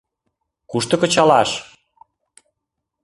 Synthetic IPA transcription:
kuʃt̪ə̆kə̆t͡ɕɑlɑʃ

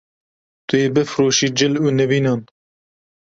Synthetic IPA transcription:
t̪ʊjeːbɨfɾoːʃiːd͡ʒɪluːnɛviːnɑːn

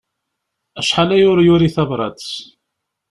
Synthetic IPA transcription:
æʃħalæjʊɾjʊɾiθævɾˤɑ̰d̪s

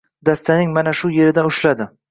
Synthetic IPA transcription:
d̪ast̪ʰanɪŋmanaʃʊje̞ɾɪd̪aʊʃlad̪ɪ

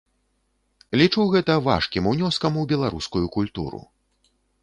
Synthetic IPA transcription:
lʲit͡ʂuwɣɛt̪ɐva̰ʂkʲimunʲɔskɐmuwbʲɛlˠaɾuskujukulʲt̪ṵɾṵ

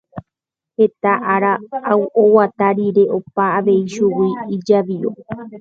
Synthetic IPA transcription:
he̞t̪aʔaɾaawʔowat̪aɾiɾe̞ʔopaːʋe̞iʃuwiːd͡ʒaʋio̰

